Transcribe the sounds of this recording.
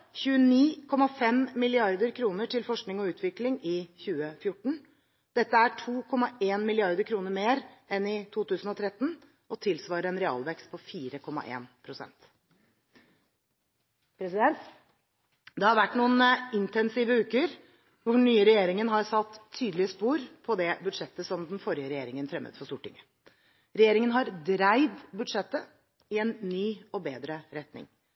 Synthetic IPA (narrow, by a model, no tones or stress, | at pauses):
çʉːəniːkʰɔmɑfɛmmɪlɪɑɾd̪əɾkʰɾuːnəʈʰɪlfɔʂknɪŋɔʉːt̪ʰʋɪklɪŋɪçʉːəfjʊʈːɳ̩ | d̪̥ɛt̪ːəæʈʰuːkʰɔmːɑʔeːnmɪlɪɑɾd̪əɾkʰɾuːnəɾmeːɾɛnɪt̪ʰuːt̪ʉːsn̩ɔt̪ʰɾɛt̪ːn̩ | ʔɔt̪ʰɪlsʋɑːɾəɾɛnɾɛɑ̰ːlʋɛkst̪̚pʰɔfiːɾəkʰɔmːɑ̰ʔḛːnpʰɾʊsɛ̰nt̪ | pʰɾɛsɪd̪ɛnt̪ | d̪ɛhɑɾʋæʈːnuːənɪnt̪ɛnsiːʋəʉːkəɾ | ʋʊɳyːəɾɛjeːɾɪŋənɦɑɾsɑt̪ʰːyːd̪lɪəspuːɾpʰɔd̪ɛbʉd̪ʂɛt̪ːəsɔmd̪nfɔɾjəɾɛjeːɾɪŋənt̪ʰɾɛmʔə̰t̪fɔst̪uːʈɪ̰ŋːə | ɾɛjeːɾɪŋənɦɑɾd̪ɾæɪd̪bʉd̪ʂɛt̪ːə | ɪɛnːyːɔbeːd̪ɾəɾɛt̪nɪ̰ŋ